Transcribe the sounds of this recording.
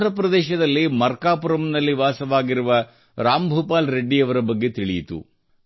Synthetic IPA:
ɾɐpɾɐd̪ɛːʃɐd̪ɐlːimɐɾkaːpuɾɐmnɐlːiʋaːsɐʋaːɡiɾuʋɐ | ɾaːmbʱuːpaːlɾeɖːijɐʋɐɾɐbɐɡːe̞t̪iɭijit̪ṵ

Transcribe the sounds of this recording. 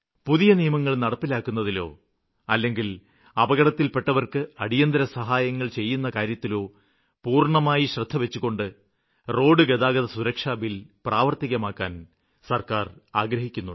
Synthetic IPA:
puðijɐnijɐmɐŋːɐɭnɐɽɐpːilaːkːunːɐðilo̞ː | ɐlːe̞ŋɡil | ɐbɐɣɐɽɐt̪ːilpeʈːɐʋɐrkɨɐɽijɐnd̪ɐɾɐsɐɦaːjɐŋːɐɭt͡ɕe̞jːunːɐkaːɾjɐt̪ːilo̞ː | puːrɳɐmaːjiɕrɐd̪ʱːɐʋe̞t͡ɕːuɣo̞ɳɖɨ | ro̞ːɖɨɡeðaːɡɐðɐsuɾɐkʂaːbilpraːʋɐrt̪iɣɐmaːkːaːn | sɐrkaːraːɡɾɐhikʲːunːuɨ

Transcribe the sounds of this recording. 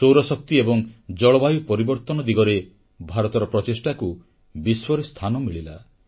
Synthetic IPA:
sowɾɔsɔk̚t̪iebɔŋd͡ʒɔɭɔbajupɔɾibɔɾt̪ɔnɔd̪iɡɔɾe | bʱaɾɔt̪ɔɾɔpɾɔt̪esʈaku | biswɔɾest̪ʰanɔmiɭila̰

